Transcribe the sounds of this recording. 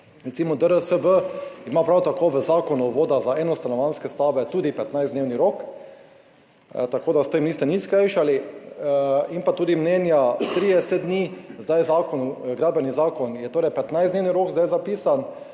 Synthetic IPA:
ɾɛt̪simɔd̪əɾəsəʋəimapɾawt̪akoʋəzaːkɔnuʋoːd̪azaɛnɔst̪anɔʋanskɛst̪aʋɛt̪uːd̪ipɛt̪najzd̪neːwniɾoːk | t̪akoːd̪ast̪emniːst̪ɛniskɾajʃali | inpat̪uːd̪imnɛːnjat̪ɾiɛsɛd̪niːzd̪ajzaːkɔnuɡɾaːd̪̚bɛnizaːkɔnjɛt̪oːɾɛjpɛt̪naɪjzd̪newniɾoːɡzd̪ajzapiːsan

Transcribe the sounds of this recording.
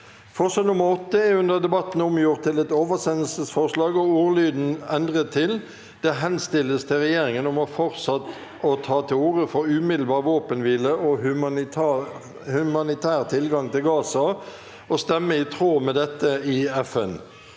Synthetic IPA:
fɔʁʂɑːnʊməʁɔt̪ːəɛʉnd̪əʁd̪ɛbɑt̪ːn̩ʊmjʊʁt̪ʰːɪlɛt̪oːʋəsɛnəl̩səsfɔʁʂlɑːɡɔuːʁlyːd̪n̩ɛnd̪ʁət̪ʰːɪl | d̪̥ɛɦɛnst̪ɪlːəst̪ʰɪlʁɛjeːɾɪŋənɔmɔfɔʁt̪sɑt̪ | ɔt̪ʰɑːt̪ʰɪluːʁəfɔɾʉmɪd̪l̩bɑːʁʋoːpənʋiːləɔ | hʉmɑnɪt̪ʰæːʁt̪ʰɪlɡɑŋt̪ʰɪlɡɑːsɑ | ɔst̪ɛmːəɪt̪ʰʁoːmɛd̪ɛt̪ːəɪɛfɛn

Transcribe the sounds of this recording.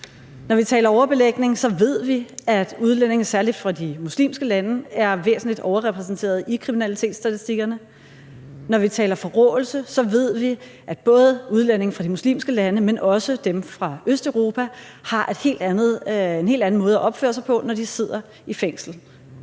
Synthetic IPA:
nɒʋit͡sʰɛ̰ːlɐɒʊɐb̥e̝leɡ̥ne̝ŋsɒ̽ʋe̝ð̞̰ˠʋiæd̥uð̞ˠlen̰e̝ŋn̩sæɐlid̥fʁɑ̈d̥imuslḭːmsɡ̥əlænəæɐʋḛːsn̩lid̥ɒʊɐʁɛpʰʁɛs̬n̩t͡sʰe̝̰ːɐðˠikʰʁiminælit͡sʰe̝̰ːd̥sːd̥æt͡sʰisd̥iɡ̥ɐnə | nɒʋit͡sʰɛ̰ːlɐfɒ̽ʁɔːl̩səsɒ̽ʋe̝ð̞̰ˠʋi | ʔæ̥b̥ɔ̽ːð̞ˠəuð̞ˠlen̰e̝ŋn̩fʁɑ̈d̥imuslḭːmsɡ̥əlænəmenʔɒ̽səd̥emfʁɑ̈øsd̥œʊʁo̝ːpʰæ | hɑ̈ʔe̝d̥he̝̰ːld̥ænð̩ˠenɦe̝̰ld̥æn̩mɔ̽ːð̞ˠæʔɒ̽b̥fø̰ːɐsɑaɪpʰɒ̽nɒd̥ise̝ð̞̰ˠɐ | ifeŋ̰sl̩

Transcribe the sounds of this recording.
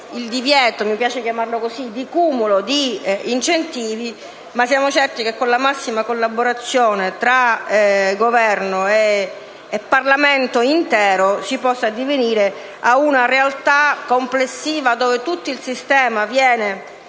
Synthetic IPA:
ild̪ivjɛːt̪omipjaːt͡ʃekjamarlokosid̪ikuːmulod̪iint͡ʃent̪iːvi | masjaːmot͡ʃɛrt̪ikekːonlamasːimakolːaboɾat̪sːjoːnet̪ɾa | ɡovɛrnoeː | pːarlamɛnt̪oint̪ɛːɾosipɔsːad̪iveniːɾe | aunarealt̪akomplesːiːvad̪oːvet̪ut̪ːoilsist̪ɛːmavjɛːne

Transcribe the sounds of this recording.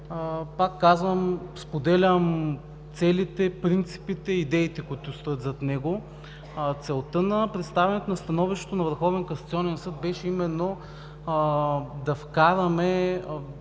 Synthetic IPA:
pakːazvəmspod̪ɛlʲəm | t̪sɛlit̪ɛpɾint̪si̥pit̪ɛid̪ɛit̪ɛkʊit̪ʊst̪ɤt̪zɐt̪nɛɡo | t̪sɛlˠt̪ənɐpɾɛt̪st̪avʲɛnɛt̪onɐst̪ɐnɔviʃt̪ɛ̥t̪onɐvəɾxɔvɛnkonsɐt̪siɔnɛnsɤd̪̚bɛʃɛimɛnːo | d̪ɐfkaɾəmɛ

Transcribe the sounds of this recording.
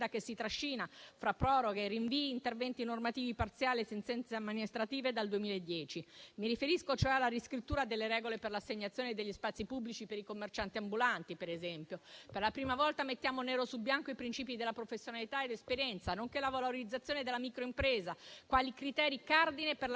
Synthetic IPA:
d̪akesːit̪ɾaʃːiːnafɾapːɾɔɾoɡeriɱviiːnt̪ervɛnt̪inormat̪iːvipart̪sjaːliesent̪sɛnt̪seamːinist̪ɾat̪iːved̪ald̪uemiːlaed̪ːjɛːt͡ʃimiɾifeɾiskot͡ʃoɛalːaɾiskɾit̪ːuːɾad̪elːeɾɛːɡoleperlasːeɲːat̪sjoːned̪eʎːispat̪sːipubːlit͡ʃipeɾikomːert͡ʃant̪iambulant̪ipeɾezɛmpjoperlapɾiːmavɔlt̪amet̪ːjaːmonɛːɾosubjaŋkoipɾint͡ʃiːpid̪elːapɾofesːjonalit̪aed̪espeɾjɛnt̪sanoŋkelavoloɾid̪zːat̪sːjoːned̪elːamikɾoimpɾeːzakwaːlikɾit̪ɛːɾikard̪ineperl

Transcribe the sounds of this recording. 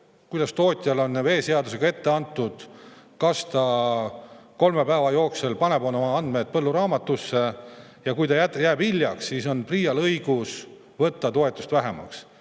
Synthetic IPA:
kujd̪̥ɑst̪o̞ːt̪ʲjɑlo̞nːve̞ːse̞ɑd̪us̬e̞ɡ̥ɑe̞t̪ːe̞ɑnt̪ːˑud̪̥ | kɑst̪ɑ | ko̞lmepæevɑjo̞ːksulpɑne̞bonomɑɑnd̪̚me̞t̪̚pɤlːuɾɑːmɑt̪ːˑusːe̞ | jɑkujt̪ɑjæt̪ːjæːbilʲːjɑksːiːso̞npriːjɑlɤjɡ̥us | vɤt̪ːɑt̪o̞e̞t̪ːˑu̥st̪væɦe̞mɑ̰ks

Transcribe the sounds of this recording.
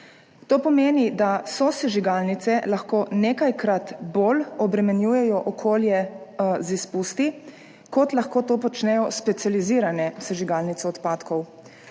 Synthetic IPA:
t̪oːpɔmeːnid̪asɔsɛʒiɡalnit̪sɛlaxkoːneːkajkɾat̪bolɔbɾɛmɛnjuːjɛjɔʔɔkʰoːljɛzispust̪i | kɔt̪laxkoːt̪oːpɔt͡ʃnɛjɔspɛt̪sʲjaliziːɾanɛsɛʒiɡalnit̪sɛɔt̪paːt̪kɔw

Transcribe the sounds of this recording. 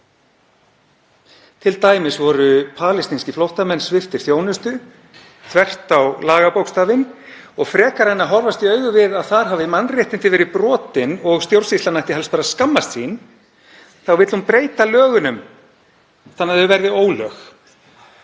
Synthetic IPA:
t̪ʰɪlt̪aːjmɪsvɔɾʏpʰaːlɪst̪inscɪflowht̪amɛnːsvɪft̪ɪɾ̥θjoːwnʏst̪ʏ | t̪ʰvɛr̥t̪awlaːɣapowkst̪aːvɪn | ɔɣfɾɛːkaɾhajnːaɦɔɾvast̪iœɥɣʏvɪðaðθaɾ̥ɦaːvɪmanːrjɛht̪ɪnt̪ɪvɛːɾɪpɾɔːt̪ɪnɔɣst̪jowr̥sist̪anajht̪ɪɦɛlspaːɾaskamːast̪siːn | θawvɪt̪l̥umpɾeːjt̪alœːɣʏnʏm | θanːaðɛʏvɛɾðɪoːwlœːx

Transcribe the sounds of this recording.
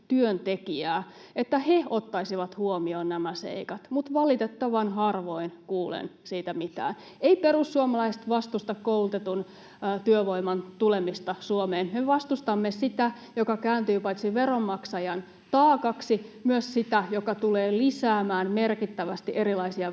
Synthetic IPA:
t̪yønt̪ekiæː | et̪ːæheot̪ːɑisiʋɑt̪huomioːnnæmæsḛikɑt̪mut̪ʋɑlit̪et̪ːɑʋɑnɦɑrʋoinkuːlḛnsiːt̪æmit̪æ̰ːn | eiperusːuomɑlɑist̪ʋɑst̪ust̪ɑkkoult̪et̪unː | t̪yøʋoimɑnt̪ulemist̪ɑsuomeːnmeʋɑst̪ust̪ɑmːesit̪æ | jokɑkæːnt̪yːpɑit̪siʋeromːɑksɑjɑn | t̪ɑːkɑksimyøssit̪æjokɑt̪uleːlisæːmæːnmerkit̪ːæʋæst̪iʔeɾilɑisiɑ

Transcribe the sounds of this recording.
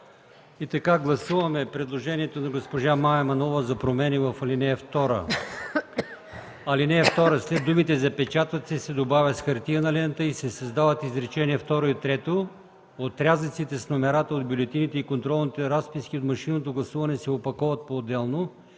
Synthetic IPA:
it̪ɐkaɡlˠɐsuvɐmɛpɾɛd̪lˠoʒɛniɛt̪onɐɡospoʒamaɛmɐnɔvəzɐpɾomɛnivɐfɐlinɛɐft̪ɔɾə̰ | ɐlinɛɛft̪ɔɾəslɛd̪ːumit̪ɛzɐpɛt͡ʃat̪ət̪sɛsɛd̪obavʲɐt̪sxɐɾt̪iənɐlɛnt̪əisɛsɐzd̪avɐt̪izɾɛt͡ʃɛniɛft̪ɔɾoit̪ɾɛt̪o | ot̪ɾʲazlʲit̪sit̪ɛsnomɛɾat̪əod̪bʲjulɛt̪init̪ɛikont̪ɾɔlˠnit̪ɛɾaspiskʲiot̪mɐʃinot̪oɡlˠɐsuvɐnɛsɛopɐkɔvɐt̪̚poːd̪ɛlˠno

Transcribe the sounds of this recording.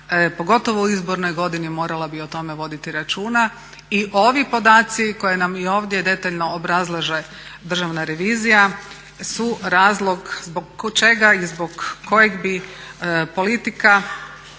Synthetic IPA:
po̞ɡo̞t̪o̞ʋouizbo̞ɾno̞jɡo̞d̪inimo̞ːɾalabiot̪o̞me̞ʋo̞d̪it̪iɾat͡ʃuːna | iʔo̞ʋipo̞d̪aːt̪siko̞jenamio̞ːʋd̪je̞d̪e̞t̪aʎno̞ːbɾazlˠaʒe̞ | d̪r̩ʒaʋnaɾe̞ʋiːzija | suɾaːzlˠo̞ɡzboɡt͡ʃe̞ɡaizboɡkːo̞jeɡbi | po̞lit̪ika

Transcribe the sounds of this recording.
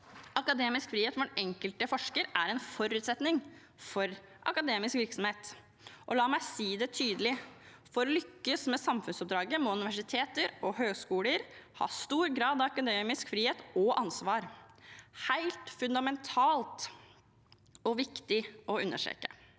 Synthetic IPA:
ɑkɑd̪eːmɪskfɾiːeːt̪fɔnɛŋkəlt̪əfɔʂkəɾæɾɛnfɔɾʉːt̪sɛt̪nɪŋ | fɔɾ | ʔɑkɑd̪eːmɪskʋɪɾksɔm̩heːt̪ | ʔɔlɑːmæɪsiːd̪ɛt̪ʰyːd̪əlɪfɔɾɔlʏkːəsmɛsɑmfʉnsɔp̚d̪ɾɑːɡəmɔʉnɪʋæʂɪt̪ʰeːt̪əɾɔhøːɡskuːləɾhɑ̰ːst̪uːɾɡɾɑːd̪ɑʋɑkɑd̪eːmɪskfɾiːheːt̪ɔʔɑnsʋɑːɾ | hæɪlt̪fʉnd̪ɑmɛnt̪ʰɑːlt̪ | ɔʋɪkt̪ɪʔɔʉnːəʂḛkə̰

